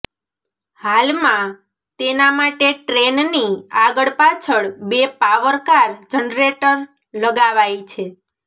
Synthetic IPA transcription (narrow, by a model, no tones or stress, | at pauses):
halmã | t̪enamaʈeʈɾenniaɡəɭpat͡ʃʰəɭbepaʋəɾkaɾd͡ʒənɾeʈəɾ | ləɡaʋajt͡ʃʰe